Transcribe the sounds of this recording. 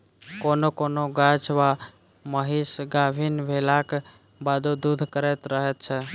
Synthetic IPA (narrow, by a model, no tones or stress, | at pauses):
konokonoɡad͡ʒʋa | məɦisɡabʱinbʱelak | bad̪od̪ud̪ʱkəɾɛt̪ɾəɦɛt̪̚t͡ʃʰɛ